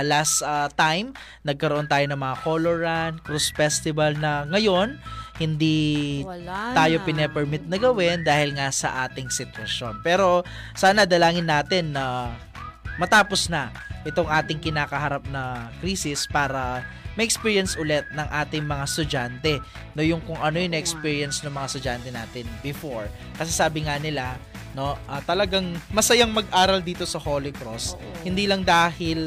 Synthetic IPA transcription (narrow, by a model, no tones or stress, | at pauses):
last̪ɐt̪ajm | nɐɡ̚kɐɾoʔo̞nt̪aːjo̞nɐŋmɐŋakoloɹɐnkɾusfɛst̪ɪbɐlnɐŋɐjo̞nhɪnd̪i | t̪aːjo̞pɪnɛpɛɹmɪt̪̚nɐɡɐwɛnd̪aːhɪlŋasɐ̰ʔaːt̪ɪŋsɪt̪wɐʃjonpɛːɾo̞ | saːnɐd̪ɐlaːŋɪnːaːt̪ɛnːɐ | mɐt̪aːposnɐ | ʔɪt̪o̞ŋʔaːt̪ɪŋkɪnaːkɐɦɐɾap̚nɐkɾiːsɪspaːɾɐmɐʔɛkspiːɹjɐnsʔʊlɛt̪̚nɐŋʔaːt̪ɪŋmɐŋast̪ʊd͡ʒant̪ɛ | nojʊŋkʊŋʔɐnoɪnɐʔɛkspiːɹjɐnsnɐŋmɐŋast̪ʊd͡ʒant̪ɛnaːt̪ɪnbɛfo̞ɹ | kɐsɛsaːbɪŋanɪla | no̞ʔɐt̪ɐlɐɡaŋmɐsɐjaŋmɐɡʔaːɾɐld̪iːt̪o̞sɐholɪkɾost̪hɪnd̪iːlɐŋd̪aːhɪl